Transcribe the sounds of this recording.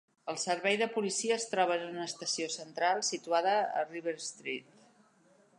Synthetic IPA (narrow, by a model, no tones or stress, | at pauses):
əlˠsəɾβɛjðəpulisiəːst̪ɾɔβ̞ənunəst̪əsiosənt̪ɾalˠsit̪uaðəə̰riβəɾst̪ɾit̪